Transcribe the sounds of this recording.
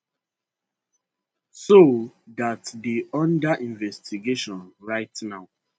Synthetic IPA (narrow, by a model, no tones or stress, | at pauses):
sodatdiɔ̃ndaʔĩɱvɛstiɡeʃɔ̃nɹaɪtnaʊ